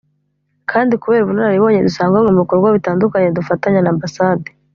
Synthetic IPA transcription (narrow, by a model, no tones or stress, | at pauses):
kʰaːndikuβeːɾβunonaɾiβo̞ːɲedusaːŋɡaŋɡemikoɾɡwaβitaːndukaɲedufataɲanaːmbasaːde